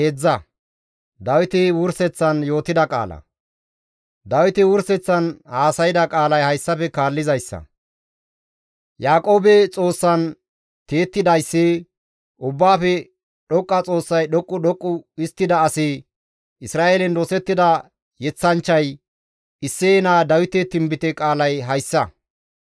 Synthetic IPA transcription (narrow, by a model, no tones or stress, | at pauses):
ed͡zːɐ | d̪ɐwɪt̪ɪwʊɾsɛt͡sːɐnjo̞ːt̪ɪd̪ɐkʼa̰ːlɐ̰ | d̪ɐwɪt̪ɪwʊɾsɛt͡sːɐnhaːsɐjɪd̪ɐkʼaːlɐjhɐjsːɐfɛkaːlːɪzɐjsːɐ̰ | jaːkʼo̞ːbɛt͡sʼo̞ːsːɐn | t̪eːt̪ːɪd̪ɐjsːi | ʊbːaːfɛ | ɗɔkʼːɐt͡sʼo̞ːsːɐjɗɔkʼːʊɗɔkʼːʊɪst̪ːɪd̪ɐːsɪ | ɪsɾaːʔeːlɛnd̪osɛt̪ːɪd̪ɐ | jɛt͡sːɐnt͡ʃːɐj | ɪsːeːnaːd̪ɐwɪt̪ɛt̪ɪmbɪt̪ɛkʼaːlɐjɦɐjsːɐ